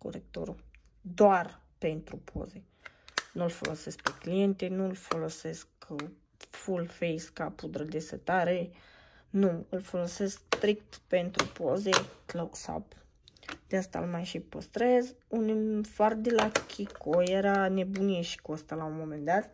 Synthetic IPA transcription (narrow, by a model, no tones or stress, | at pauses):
ko̰ɾek̚t̪o̰ɾu | d̪oar | pe̞nt̪ɾupʰo̞̰ze̞ | nulfo̞̰lose̞sk̚peklije̞nt̪enulfo̞lo̞se̞sk | fulfejskapud̪ɾəd̪esə̰t̪aɾe | nuɨlfo̞lo̞se̞skst̪ɾik̚t̪pe̞nt̪ɾṵpo̞zekloksa̰p | d̪̥east̪a̰lmajʃipəst̪ɾezunifard̪elakʲʰikojeɾane̞bunieʃi̥kəst̪alaunmome̞nd̪at̪